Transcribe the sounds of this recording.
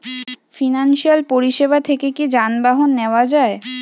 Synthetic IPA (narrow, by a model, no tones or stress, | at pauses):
finanʃialpoɾiʃebat̪ʰekekid͡ʑanbaɦonːeoad͡ʑae